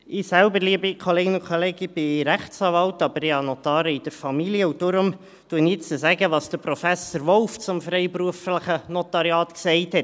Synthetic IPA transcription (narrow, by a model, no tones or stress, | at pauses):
ɪsælbəɾliəbikʰoleːɡɪnʊkʰoleːɡəb̥ɪɾæχt͡sɑːvɑltɑbəɾɪɑnɔtɑːɾəid̥əɾfɑmiliəʊd̥ʊɾʊm | tuənɪt͡səzæɡəʋɑːsd̥əɾprofæsoɾʋɔlft͡sʊmfɾɛɪpɾuəfləχənɔtɑɾjɑːtksɛɪthɛt